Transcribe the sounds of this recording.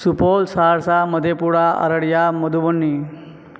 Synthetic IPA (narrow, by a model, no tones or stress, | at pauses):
supolsaɾsaməd̪ʱjepuɽaə̰ɾəɽjaməd̪ʱuʋəɳːi